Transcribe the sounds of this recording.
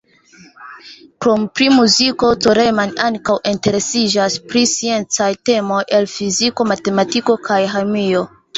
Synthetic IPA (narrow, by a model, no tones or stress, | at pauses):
kɾompɾimuziko̞toɾemanaŋkawʔinte̞ɾe̞sid͡ʒaspɾisie̞nt͡sajte̞mo̞jʔe̞lfiziko̞mate̞matiko̞kʰajɦamio̞